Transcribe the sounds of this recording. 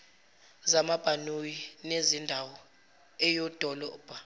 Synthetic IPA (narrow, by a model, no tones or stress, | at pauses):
zamab̥ʱanujinezindʱawɔ | ɛjɔd̥ʱɔlɔːb̥ʱa